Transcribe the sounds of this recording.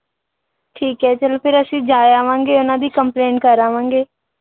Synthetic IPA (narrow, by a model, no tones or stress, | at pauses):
ʈʰiːkɦɛːt͡ʃəlpʰɪɾəsĩːd͡ʒaːjaːʋãːŋɡeːʊnãːd̪iːkəmpleːɳʈkəɾaːʋãːŋɡeː